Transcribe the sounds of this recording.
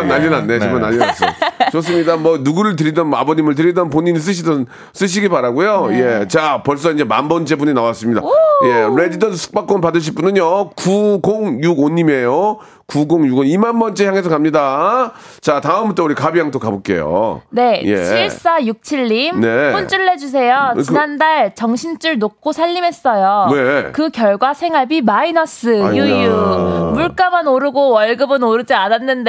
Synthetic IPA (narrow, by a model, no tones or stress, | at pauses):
anaʎːinanːeemanːaʎːias͈ɯt͡ɕos͈ɯmɲidamwʌnuɡuɾɯɭt̬ɯɾidʌnabʌɲimɯɭt̬ɯɾidʌnpoɲiɲis̬͈ɯɕ̬ʰidʌn | s͈ɯɕ̬ʰiɡipaɾaɡujoje̞t͡ɕapʌɭs̬͈ʌind͡ʑema̰nbʌnt͡ɕ͈e̞buɲinawas͈ɯmɲida̰je̞ɾe̞d͡ʑidʌnsʰu̥k̚p͈ak͈ʌnp̬adɯɕ̬ʰip͈unɯɲjokuɡoŋjuɡoɲːime̞jo | kuɡoŋjuɡonimanbʌnt͡ɕ͈eçjaŋe̞sʰʌkamɲida | t͡ɕataɯmut͈ouɾikabijaŋt͈okabok͈ḛjo̰ne̞jḛɕʰiɭs͈ajuk̚t͡ɕʰiʎːimnunt͡ɕ͈uɭːed͡ʑus̬ʰe̞jʌt͡ɕinandaɭt͡ɕʌŋɕʰint͡ɕ͈uɭnok̚k͈osʰaʎːime̞s͈ʌjone̞kɯkjʌɭɡwasʰe̞ŋɦaɭbimainʌs͈ɯjujumuɭk͈amanoɾɯɡowʌɭɡɯbɯnoɾɯd͡ʑiananːɯnde